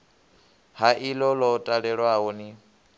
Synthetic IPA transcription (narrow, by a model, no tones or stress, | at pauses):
haʔilɔlɔtʼaɺɛɺwaɦɔni